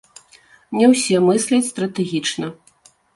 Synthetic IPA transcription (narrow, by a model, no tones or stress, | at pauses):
nʲɛwsʲɛmɨsʲlʲɐt͡sʲst̪ɾɐt̪ɛɣʲit͡ʂnɐ